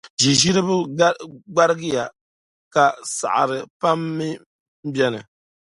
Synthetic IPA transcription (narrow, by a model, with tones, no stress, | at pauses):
ʒi˨ʒi˦ɾɨ˦bɨ˦ɡ͡ba˦ɾɨ˦ɡɨ˦ja˨ | ka˨sa̰˨ʔa̰˨ɾɨ˨pa˦mːi˦ | m̩˦bjɛ˦nɨ̰˨